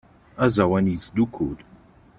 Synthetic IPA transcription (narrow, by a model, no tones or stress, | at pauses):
azawanizd̪ukʰul